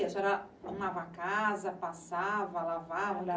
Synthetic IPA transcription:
ɛsɛɾɐ | t̪õavakazɐpasavɐlavavɐ

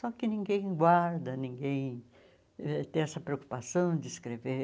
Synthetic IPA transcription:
sɔkɪnĩŋɡẽj̃ɡwaɾd̪ɐnĩŋɡẽj̃ | ɛt̪ẽj̃ɛsɐpɾeoku̥pasɐ̃w̃d͡ʒ̪ɪːskɾeve

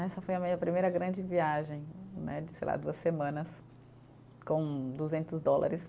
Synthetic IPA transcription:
ɛsɐfojɐmĩɲɐpɾimejɾɐɡɾɐ̃d͡ʒɪviaʒẽj̃nɛ̰d͡ʒɪsejla̰d̪uɐsemɐ̃nɐs | kõw̃d̪uzẽnt̪ʊzd̪ɔla̰ɾɪs

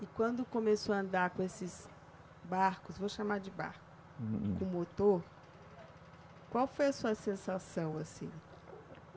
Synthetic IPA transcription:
ɪkwɐ̃nd̪ʊkõmesoɐɐ̃nd̪aɾkõesɪz | baɾkʊzvoʃamaɾd͡ʒɪba̰ɾkʊ̥ | kõmot̪oɾ | kwawfojɐsuɐsẽsasɐ̃w̃asḭ̃

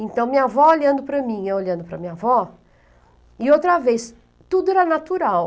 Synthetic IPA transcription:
ẽnt̪ɐ̃w̃mĩɲavɔoʎɐ̃nd̪ʊpɾɐmĩɛoʎɐ̃nd̪ʊpɾɐmĩɲavɔ | ɪowt̪ɾɐves | t̪ud̪ʊɛɾɐnat̪uɾaw

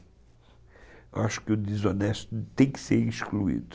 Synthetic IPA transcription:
aʃʊ̥kɪʊd̪ezonɛst̪ʊt̪ẽj̃kɪ̥seɾĩskluḭd̪ʊ

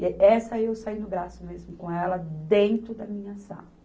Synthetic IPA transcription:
ɛsɐiewsainʊɡɾasʊmezmʊkõɛlɐd̪ẽnt̪ɾʊd̪ɐmĩɲɐsɐ̰̃

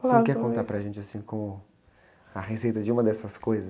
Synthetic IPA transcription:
kːɪɛɾkõnt̪aɾpɾɐʒẽnt͡ʃɪasĩkõmʊ | ɐɦesejt̪ɐd͡ʒɪũmɐd̪ɛsɐskojzɐ

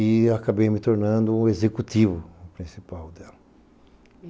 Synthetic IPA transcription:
iakabejmɪt̪oɾnɐ̃nd̪ʊ̃ezekut̪ivʊpɾĩsipawd̪ɛlɐ

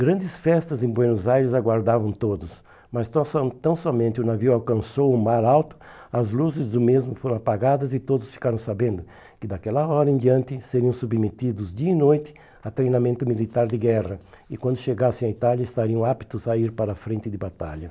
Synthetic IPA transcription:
ɡɾɐ̃nd̪ɪsfɛst̪ɐzẽbwenʊzajɾɪzaɡwaɾd̪avɐ̃w̃t̪od̪ʊs | mɐst̪st̪ɐ̃w̃sɔmẽnt̪ɪʊnaviwawkɐ̃sowʊmaɾawt̪ʊ̥ | ɐzluzɪzd̪ʊmezmʊfoɾɐ̃w̃apaɡad̪ɐzɪt̪od̪ʊsfi̥kaɾɐ̃w̃sabẽnd̪ʊ | kɪd̪akɛlɐɔɾɐẽd̪iɐ̃nt̪ɪseɾiɐ̃w̃submet̪id̪ʊzd͡ʒ̪iɐinojt̪ɪ̥ | ɐt̪ɾejnamẽnt̪ʊmilit̪aɾd̪ɪɡɛʁɐ | ɪkwɐ̃nd̪ʊʃeɡasẽj̃ait̪aljɐɪst̪aɾiɐ̃w̃api̥t̪ʊzaiɾpaɾɐːfɾẽnt̪ɪd̪ɪbat̪a̰ʎɐ

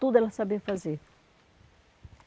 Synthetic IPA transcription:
t̪ud̪ɛlasabefaze

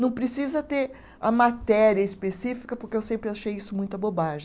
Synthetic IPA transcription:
nɐ̃w̃pɾesizɐt̪eɾ | ɐmat̪ɛɾiɐispesifi̥kɐpoɾkeewsẽmpɾɪaʃejisʊmũj̃t̪ʊɐbobaʒẽ

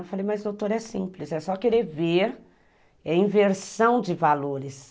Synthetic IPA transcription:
falejmɐzd̪owt̪oɾɛsĩplɪsɛsɔkeɾeɾveɾ | ɛĩveɾsɐ̃w̃d͡ʒɪvaloɾɪs

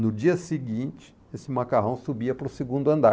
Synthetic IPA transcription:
nʊd͡ʒiɐsɪɡĩnt͡ʃɪ̥ | esɪmakaɦɐ̃w̃subiɐpɾʊsɪɡũnd̪ʊɐ̃nd̪a

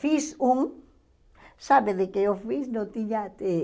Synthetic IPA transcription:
fisuŋ | saβeðekeofisnõt̪iɲat̪e

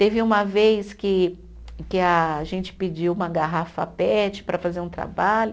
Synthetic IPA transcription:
t̪evɪũmɐvejskɪ | kɪɐʒẽnt͡ʃɪ̥pɪd͡ʒiwũmɐɡaɦafɐ̰pɛt͡ʃɪ̥pɾɐfazeɾũt̪ɾa̰baʎʊ

